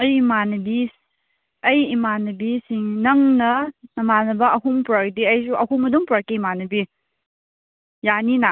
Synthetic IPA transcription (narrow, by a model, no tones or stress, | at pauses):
ɐjimanɐbi | ɐjimanɐbisiŋnɐŋnɐnɐmanɐbɐɐɦumpuɾɐk̚diɐjsuɐɦumɐduŋpuɾɐk̚ːiimanɐbi | janina